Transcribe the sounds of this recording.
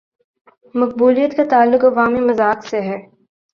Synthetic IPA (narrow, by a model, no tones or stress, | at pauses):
mɐq̚buːlijət̪kat̪aːlːʊkɐʋaːmimɐzaːkseɦɛː